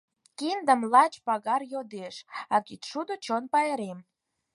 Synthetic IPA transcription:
kind̪əmlɑt͡ɕpɑɣɑrjod̪eʃɑkit̪ʃud̪ot͡ɕonpɑeɾem

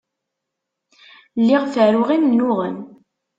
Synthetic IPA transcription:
lːiʁfəɾʊʁimnʊʁən

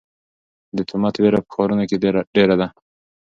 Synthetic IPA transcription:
d̪ət̪ʰumat̪ʰweɾapə̥xoɾunaked̪eɾaɖeɾad̪a

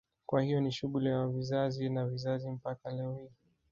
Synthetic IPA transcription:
kwahijɔniʃuɠuliavizazinavizazim̩pakalɛɔhiː

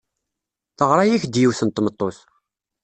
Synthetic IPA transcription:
θəʁɾˤɑjæçd̪jiwθənt̪mət̪ˤːoθ

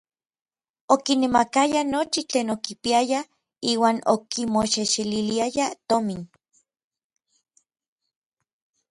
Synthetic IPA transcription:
okinemakajanot͡ʃit͡ɬeːnokipiaja | iːwaːnokimoʃeʃililiajat̪omin

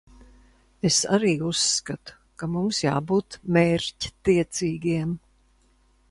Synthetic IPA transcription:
esa̰ɾiːusːkat̪u̥kamumsja̰ːbuːt̪meːɾci̥t̪iɛt̪siːɡiɛm

